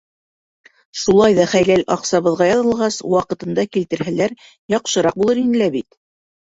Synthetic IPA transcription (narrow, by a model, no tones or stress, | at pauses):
ʃulˠɑjðɑχæjlælɑqsɑβɤ̆ðʁɑjɑðɤ̆lˠʁɑswɑqɤ̆t̪ɤ̆nd̪ɑkilt̪ɘ̆ɾɦælæɾ | jɑqʃɤ̆ɾɑq̚bulˠɤɾinɘ̆læbit̪